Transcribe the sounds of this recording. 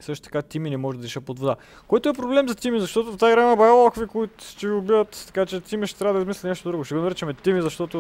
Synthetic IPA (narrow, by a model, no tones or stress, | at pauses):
isɤʃt̪o̥t̪ɐ̥kat̪iminɛmɔʒɛd̪ɐɾiʃəpod̪vod̪a | kɔjt̪oɛpɾoblɛmzɐt̪imizɐʃt̪ɔt̪oft̪aiɡɾamɐbɐolˠakvikoit̪ʊ̥ʃt̪ɛviʊbivət̪t̪ɐ̥kat͡ʃɛt̪ʲimiʃt̪ɛ̥t̪ɾʲavɐd̪ɐizmislʲinɛʃt̪od̪ɾuɡoʃt̪ɛɡonɐɾit͡ʃɐmɛt̪imizɐʃt̪ɔt̪o